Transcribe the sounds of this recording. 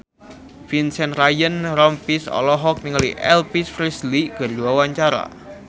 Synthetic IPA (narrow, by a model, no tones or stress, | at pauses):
finsɛnrajənɾɔmpisɔ̰lɔɦɔk̚niŋəlḭʔɛ̰lpisfɾisliɡ̥ərduawaɲt͡ʃaɾa̰